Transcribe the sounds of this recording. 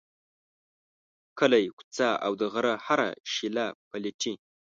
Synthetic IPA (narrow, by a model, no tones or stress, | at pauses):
kʰəlajkʷt͡saa̰wd̪əʁəɾahaɾa̰ʃilapʰaliʈʰi